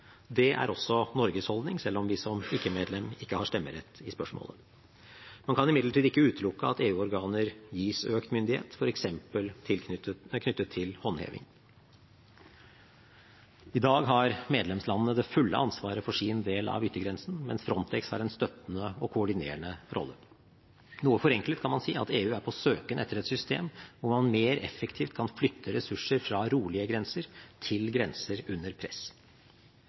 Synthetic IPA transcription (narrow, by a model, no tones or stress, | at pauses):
d̪ɛʔæ̰ɾɔsːɔnɔɾɡəshɔld̪nɪŋsɛlːɔmʋɪsɔmɪkːəmeːd̪lɛmɪkːəhɑʂt̪ɛmːə̰ɾɛt̪ːɪspœʂmo̰ːlə̰ | mɑnkʰɑnɪmɪd̪ləʈʰiːd̪ɪkːəʉːt̪lʊkːəɑt̪eːʉːɔɾɡɑːnəɾjiːsøːkt̪mʏnd̪ɪhḛːt̪fɔɾɛksɛmpəlt̪ʰɪlkʰnʏt̪ːət̪ʰːɪlhɔnhḛːʋɪ̰ŋ | ɪd̪ɑːɡɦɑɾmeːd̪lɛmslɑnːənəd̪ɛfʉlːə̰ʔɑnsʋɑːɾəfɔʂiːnd̪eːlɑ̰ʋʏt̪ːəɡɾɛnsn̩mɛnsfɾɔnt̪ʰɛkshɑ̰ɾɛnst̪œt̪nəɔkʰʊɔɖɪnḛːəɳəɾʔɔ̰lːə | nuːəfɔɾɛŋklət̪̚kʰɑnmɑnsiːɑ̰t̪eːʉːæɾpʰɔsøːkənʔɛt̪ːəɾɛt̪sʏst̪ḛːmʋʊɾmɑnmeːɾɛ̰fəkt̪ʰiːft̪kʰɑnflʏt̪ʰːəɾɛsʉʂəɾfɾɑɾuːlɪəɡɾɛnsəɾt̪ʰɪlɡɾɛnsəɾʉnːəɾpʰɾɛs